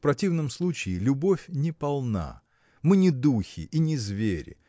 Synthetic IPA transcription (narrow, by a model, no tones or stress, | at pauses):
pɾɐtʲivnəmslˠut͡ɕɪːlʲʊbofʲnʲɪpɐlˠna̰ | mɨnʲɪd̪uxʲɪ̰ʔinʲɪzvʲeɾʲɪ̰